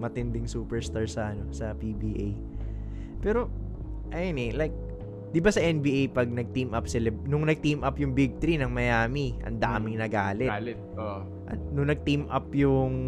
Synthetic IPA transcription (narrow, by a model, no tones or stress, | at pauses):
mɐt̪ɛnd̪ɪŋsuːpɛɹst̪aɹsɐʔɐno̞sɐpibiʔḛj | pɛːɾo̞ʔɐjonɛlajk̚ | d̪ɪbasɐʔɛnbiːʔejpɐɡ̚nɐɡ̚t̪imʔɐpsɪlɐnʊŋnɐɡ̚t̪imʔɐpjʊŋbɪɡ̚t̪ɾinɐŋmɐjaːmiʔɐ̰nd̪aːmɪŋnɐɡaːlɛlɛt̪̚o | ʔɐ̰nʊŋnɐɡ̚t̪imʔɐpjʊŋ